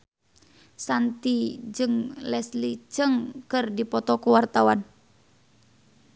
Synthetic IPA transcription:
sant̪id͡ʒɨŋlɛslit͡ʃɨŋkɨrdipɔt̪ɔkuwart̪awan

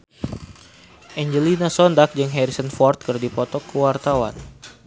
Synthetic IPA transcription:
ʔɛɲd͡ʒəlinasɔndak̚d͡ʒəŋɦɛɾisənfɔrt̪̚kərdipɔt̪ɔkːəwart̪awa̰n

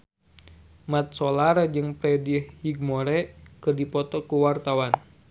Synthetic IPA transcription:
mat̪̚sɔlaɾad͡ʒɨŋpɾɛdihhiɡ̚moɾɛkɨrdipɔt̪ɔkuwart̪awan

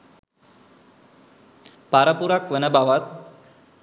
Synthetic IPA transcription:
paɾəpuɾakʋənəbaʋat̪̚

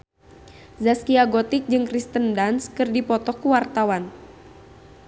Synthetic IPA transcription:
zaskiaɡɔt̪ik̚d͡ʒɨŋkɾist̪əndanskɨrdipɔt̪ɔhkuwart̪awan

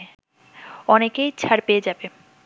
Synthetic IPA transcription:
ɔnekejt͡ɕʰaɾpeed͡ʑabe

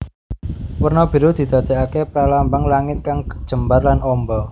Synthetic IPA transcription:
wərnɔb̥i̤ɾod̪̥i̤d̪̥ä̤d̪̥e̤akepɾalambaŋlaŋɪt̪̚kaŋkə̥d̥ʒ̥ə̤mbarlanʔɔmbɔ

